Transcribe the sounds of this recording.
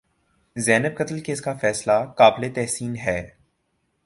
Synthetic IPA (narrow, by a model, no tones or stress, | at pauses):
zɛːnɪb̚kɐt̪lkeːskafɛːslakaːblet̪ɛɦsiːnɦɛː